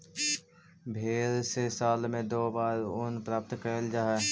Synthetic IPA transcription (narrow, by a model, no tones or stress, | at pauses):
bʱeːɾsesaːlmẽd̪oːbaːɾʊnpɾaːp̚t̪kəːld͡ʒaːɦɛ